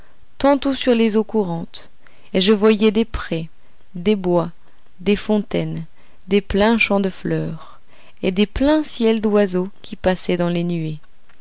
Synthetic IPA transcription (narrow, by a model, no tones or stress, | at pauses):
t̪ɑ̃t̪usyʁlezokuʁɑ̃t̪ | eʒəvwajɛd̪epχɛ | d̪ebwa | d̪efɔ̃t̪ɛn | d̪eplɛ̃ʃɑ̃d̪əflœːʁ | ed̪eplɛ̃sjɛld̪wazokʲipasɛd̪ɑ̃lenye